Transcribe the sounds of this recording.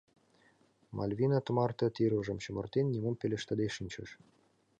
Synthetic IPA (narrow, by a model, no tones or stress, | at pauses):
mʔɑ̰lʲvʲinɑt̪ə̆mɑrt̪ɤ̆t̪iɾuʒɤ̆mɕə̆mɤ̆rt̪enʲːimompelʲĕʃt̪ə̆d̪eʃinʲt͡ɕə̆ʃ